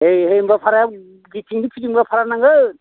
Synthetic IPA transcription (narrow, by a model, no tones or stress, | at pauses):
ɦejɦejmbapʰaɾa | ɡitʰiŋdipʰid͡ʒiŋbapʰaɾanaŋɯ